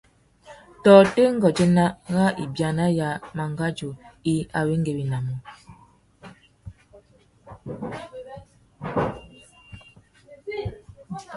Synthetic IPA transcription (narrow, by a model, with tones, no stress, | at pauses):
tɔː˨te˦ŋ˦ɡɔ˨d͡ʒe˦na˦ɣa˦ʔḭ˨bja˨na˦ja˨ma˨ŋɡa˦d͡ʒo˨i˦a˨we˦ŋ˦ɡe˨wi˨na˨mo˨